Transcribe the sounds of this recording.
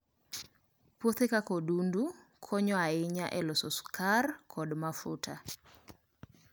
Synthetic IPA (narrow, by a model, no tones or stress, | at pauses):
pwot̪ekakodundukʰɔɲɔaɪɲaʔɛlɔsɔskarkʰɔdmafʊtʰa